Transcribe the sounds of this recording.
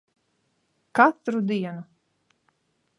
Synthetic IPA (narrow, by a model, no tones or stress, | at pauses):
kat̪ɾud̪iɛnu